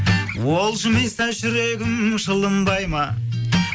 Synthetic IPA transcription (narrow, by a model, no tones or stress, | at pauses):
wolˠʃəmest̪æʃʏɾeɡʲɪmʃəlˠəmbɑjmɑ